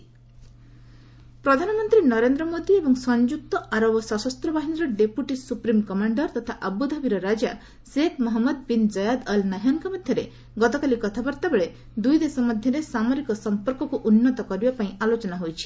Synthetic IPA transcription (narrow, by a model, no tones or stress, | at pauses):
pɾɔd̪ʱanɔmɔnt̪ɾinɔɾend̪ɾɔmod̪iebɔŋsɔnd͡ʒuk̚t̪ɔʔaɾɔbɔsɔsɔst̪ɾɔbaɦiniɾɔɖepuʈisupɾimkɔmaɳɖɔɾt̪ɔt̪ʰaʔabud̪ʱabiɾɔɾad͡ʒa | sekmɔɦɔmːɔd̪pind͡ʒɔjad̪ʌlnaɦɔnkɔmɔd̪ʱjɔɾe | ɡɔt̪ɔkalikɔt̪ʰabɔɾt̪abeɭe | d̪ujd̪esɔmɔd̪ʱjɔɾesamoɾikɔsɔmpɔɾkɔkuʔunːɔt̪ɔkɔɾibapaĩalot͡ʃɔnaɦojt͡ʃʰi̥